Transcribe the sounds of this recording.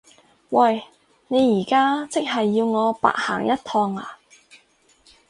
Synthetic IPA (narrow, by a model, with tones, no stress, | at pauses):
wɐ˨˩j | ne˨˧jiː˨˩kaː˥t͡sɪ˥k̚ɦɐ˨jːiː˧wŋɔː˨˧pa̰ː˧˨k̚ha̰ː˨˩ŋjɐ˥t̚t̪ʰɔː˧ŋa̰ː˨˩